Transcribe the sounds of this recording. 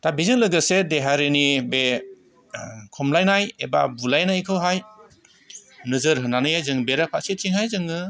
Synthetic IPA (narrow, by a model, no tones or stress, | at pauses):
tabizɯŋlɯɡɯsedeɦaɾenibe | kʰɔmlajnajeba̰bulajnajkʰɯwɦaj | nɯzɯɾɦɯnanɯjajzɯŋbeɾapʰaʔsit̚t͡ʃʰiŋhajzɯŋɯ